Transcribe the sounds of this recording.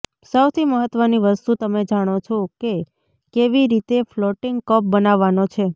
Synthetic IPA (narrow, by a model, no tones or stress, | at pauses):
səwt̪ʰiməɦət̪ʋəniʋəst̪ut̪əmed͡ʒaɽ̃ot͡ʃʰoke | keʋiɾit̪eflɔʈɪŋɡkəp̚bənaʋːanot͡ʃʰe